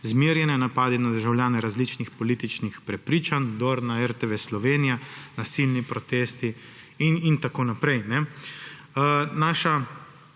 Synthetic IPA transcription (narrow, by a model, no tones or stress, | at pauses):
zmiːɾjɛnɛnapaːd̪inad̪əɾʒawljaːnɛɾazlit͡ʃnixpɔliːt̪it͡ʃnixpɾɛpɾiːt͡ʃand̪oɾnaɛɾt̪eʋeslɔʋenijanasilnipɾɔt̪eːst̪i | inint̪akoːnapɾɛjnɛ | naʃa